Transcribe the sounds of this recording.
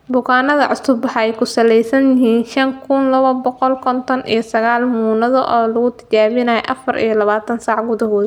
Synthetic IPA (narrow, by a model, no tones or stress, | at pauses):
bʊkʰaːnɐðɐʕʊsʊbɐħɑɛjkʰʊsɐlɛjsɐnjɪɦiːnʃɐŋkʰʊnlɐβɐbɔqɔlkʰɔnt̪ʰɔnḭjɞsɐɣaːlmuːnɐðɐʔɔːlʊɣʊt̪ʰɐ̥t͡ʃaːβɪnaːjɛ̰ʔɐ̰fɐrʔḭjɞlɐβaːt̪ʰɐnsaːʕɡʊðɐɦɔːðɐ